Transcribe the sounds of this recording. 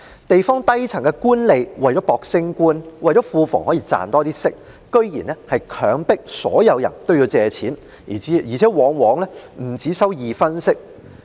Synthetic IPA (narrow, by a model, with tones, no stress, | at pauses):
t̪e˨jfɔː˥ŋt̪ɐ˥jt͡sʰɐ˨˩ŋkɛ˧kuː˥nle˨jwɐ˨˩jt͡ʃɔː˨˥pɔː˨˧k̚sɪ˥ŋkuː˥nwɐ˨jt͡ʃɔ˨˥fuː˧fɔ̰ː˨˩ŋhɔː˨˥jiː˧t͡sa̰ː˨nt̪ɔː˥t̪iː˥sɪ˥k̚ | kɵ˥ɥjḭː˨˩nɛ˥hɐ˨jkʰœː˨˧ŋpɪ˥k̚sɔ̰ː˨˥jɐ˨˧wjɐ̰˨˩nt̪o˥wjiː˧wt͡sɛː˧t͡sʰiː˨˥n˨˩˨ | jiː˨˩t͡sʰɛː˨˥wɔː˨˧ŋwɔː˨˧ŋlɛː˥m̩˨˩t͡siː˨˥sɐ˥wjiː˨fɐ˥nsɪ˥k̚